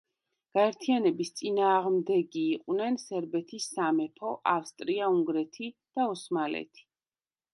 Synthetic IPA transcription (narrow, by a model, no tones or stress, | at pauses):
ɡ̥aɛɾt̪ʰianɛbist̪sʼinaːʁmd̪ɛɡiːqʼwnɛnsɛɾbɛt̪ʰisːamɛpʰɔʔafst̪ʼɾiauŋɡɾɛt̪ʰid̪̥aɔsmalɛ̰t̪ʰi̥